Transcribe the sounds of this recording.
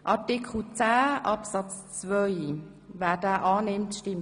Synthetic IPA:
ʔɑtɪkʰl̩t͡sæːʔɑpsɑt͡st͡svœʏ | væːdaːʔɑːnɪmtʃtɪm

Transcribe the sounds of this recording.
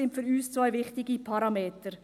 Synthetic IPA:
ɪntfyɾyːst͡svaɪvɪχtɪɡipʰɑɾɑmeːtəɾ

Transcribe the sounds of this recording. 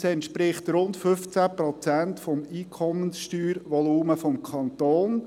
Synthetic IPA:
sɛntʃpɾɪχt̪ɾʊntfʏft͡sæːpɾɔt͡sæntfɔmiːkʰɔmənsʃtyːɾʋɔluːməfɔmkʰɑnt̪oːn

